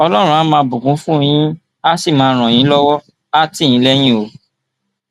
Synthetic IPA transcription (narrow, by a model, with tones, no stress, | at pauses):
ɔ˧lɔ˦ɾ̃ũ˧a˨˦mãː˧bũ˨ɡũ˨˦fũ˦˧j̃ĩ˦ | a˦si˦˨mãː˨˧ɾ̃ɔ̃˨j̃ĩ˨˦lɔ˦wɔ˦ | a˦tĩ˦˨ĩ˨˦lɛ˦j̃ĩ˦o˨˧˦